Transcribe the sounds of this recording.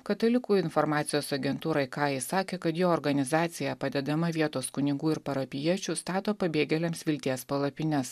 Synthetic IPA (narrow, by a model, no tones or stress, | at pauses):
kɐt̪ɐlʲɪkuːɪnfɔɾmɑːt̪sʲɪjoːsɐɡʲɛnt̪uːɾɐɪkɑːjɛsɑːkʲeːkɐt̪joːɔɾɡɐnʲɪzɑːt̪sʲɪjɛpɐd̪ʲɛd̪ɐmɐʋʲiɛt̪oːskʊnʲɪɡuːɪɾpɐɾɐpʲɪjiɛt͡ʃʲust̪ɑːt̪oːpɐbʲeːɡʲɛlʲɛmsʋʲɪlʲt̪ʲeɛspɐlˠɐpʲɪnʲɛs